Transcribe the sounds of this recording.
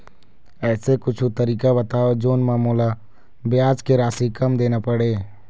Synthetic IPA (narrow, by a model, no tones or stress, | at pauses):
ɛːsekʊt͡ʃʰut̪əɾiːkabɐt̪aːod͡ʒoːnmaːmuːla | bɪjaːd͡ʒkeɾaːsikɐmd̪eːnapɐɽeː